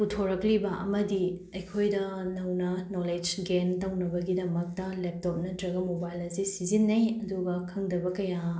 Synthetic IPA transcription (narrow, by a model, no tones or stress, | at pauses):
putʰoɾɐklibɐʔɐmɐdiɐjkʰojdɐnɐwnɐnoled͡ʒɡentɐwnɐbɐɡidɐmɐk̚tɐlep̚top̚nɐdɾɐɡɐmobajlɐsisizinːɐjɐduɡɐkʰɐŋdɐbɐkɐja